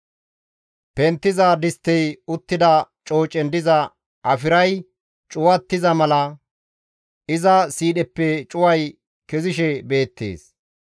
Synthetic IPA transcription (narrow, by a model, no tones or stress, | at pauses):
pɛnt̪ːɪzɐd̪ɪst̪ːɛjʊt̪ːɪd̪ɐ | t͡ʃʼo̞ːt͡ʃʼɛnd̪ɪzɐ | ʔɐfɪɾɐj | t͡ʃʼʊwɐt̪ːɪzɐmɐlɐ | ʔɪzɐsiːɗɛpːɛt͡ʃʼʊwɐj | kɛzɪʃɛbe̞ːt̪ːḛːs